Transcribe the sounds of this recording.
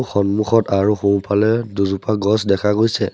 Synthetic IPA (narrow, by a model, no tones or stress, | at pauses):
xɔnmuxɔtaɹuxũw̃palɛduzupaɡɔsdɛkʰaɡojsɛ̰